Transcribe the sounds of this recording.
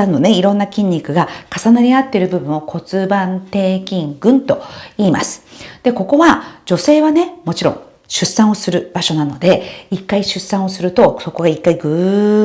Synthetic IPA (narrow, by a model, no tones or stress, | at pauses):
ano̞ne̞iɾõ̞nːakʲĩɲ̟ʲːikɯ̟ɡakasanaɾʲiat̪ːe̞ɾɯ̟bɯ̟bɯ̟̃ɰ̃o̞kʰo̞t͡sɨbãnt̪e̞ːkʲĩŋɡɯ̟̃nt̪o̞iːma̰sɨ̥d̪̥e̞ko̞ko̞βad͡ʑo̞se̞ːβane̞mo̞t͡ɕiɾõ̞̰ | ɕɨsːãɰ̃o̞sɨɾɯ̟b̥aɕo̞nano̞d̪e̞ikːaiɕɨsːãɰ̃o̞sɨɾɯ̟t̪o̞so̞ko̞ɡaikːaiɡɯ̟